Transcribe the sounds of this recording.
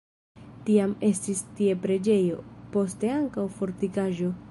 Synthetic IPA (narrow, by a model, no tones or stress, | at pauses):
tiame̞stistie̞pɾe̞d͡ʒe̞jo̞̰po̞ste̞aŋkawfo̞ɾtikaʒo̞